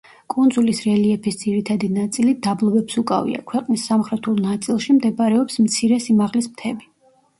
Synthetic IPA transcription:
kʼund̪zulisɾɛliɛpʰisd̪ziɾit̪ʰad̪inat̪sʼilid̪ablˠɔbɛpsukʼa̰vḭa̰kʰwɛqʼnisːamχɾɛt̪ʰulˠnat̪sʼilˠʃimd̪ɛbaɾɛɔpsmt̪sʰiɾɛsimaʁlismt̪ʰɛbi

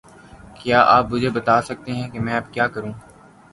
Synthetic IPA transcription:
kjaːʔaːpmʊd͡ʒʱebɐt̪aːsɐk̚t̪eɦɛ̃kemɛ̃ɐpkjaːkɐɾũː

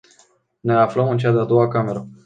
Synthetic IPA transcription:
ne̞afləmɨnt͡ʃad̪ead̪o̞wakame̞ɾə

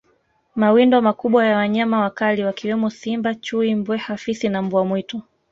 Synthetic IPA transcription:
mawindɔmakuɓwajawaɲamawakaliwakiwɛmɔsimbat͡ʃuimbwɛhafisinambuamwitɔ

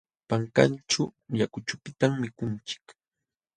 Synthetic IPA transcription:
paŋka̰nt͡ʃʊjakʊt͡ʃʊpɪt̪aŋmɪkʊnt͡ʃɪ̥k

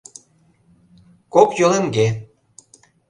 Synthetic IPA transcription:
kokjoleŋɡe

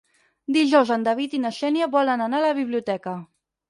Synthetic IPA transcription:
d̪iʒɔwzənd̪əβit̪inəʃɛnjəβɔlənənaləβiβliut̪ɛkə

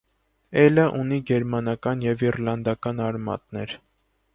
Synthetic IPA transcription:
ɛləʔuniɡɛɾmɑnɑkɑnjɛvirlɑnd̪ɑkɑnɑɾmɑ̰t̪nɛɾ

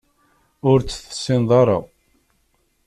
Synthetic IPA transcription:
ʊɾt͡sːθə̥sːɪnðˤɑɾˤɑ̰

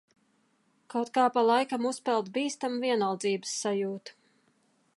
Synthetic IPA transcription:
kawt̪kaːpalˠajkamuspɛlˠd̪biːst̪amviɛnalˠd̪ziːbɨ̥sːajuːt̪u̥

